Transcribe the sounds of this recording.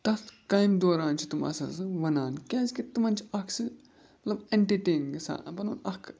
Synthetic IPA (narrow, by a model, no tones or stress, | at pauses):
d̪̥ɐskajmd̪oːɾaːnt͡ʃʰi̥t̪umɐ̰sɐ̰sɨʋɐnaːnkʲaːskʲit̪umɐnt͡ʃʰiɐkʰsɨ | ɐt̪lɐbeɳʈiʈeːŋɡɐsa̰ːbɐnoːnɐkʰ